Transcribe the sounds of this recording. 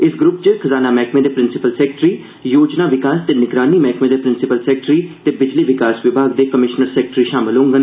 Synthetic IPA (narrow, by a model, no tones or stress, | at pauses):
ɪsɡɾʊp̚t͡ʃəkʰəzaːnaːmɛːkʰmẽːd̪eːpɾɪnsɪpəlsɛːk̚ʈɾiː | joːd͡ʒnaːʋɪkaːst̪eːnɪɡɾaːniːmɛːkʰmẽːd̪eːpɾɪnsɪpəlsɛːk̚ʈɾiːt̪eːbɪd͡ʒliːʋɪkaːsʋɪbʱaːɡ̚d̪eːkəmɪʃnəɾsɛːk̚ʈɾiːʃaːmɪlɦõːŋɡən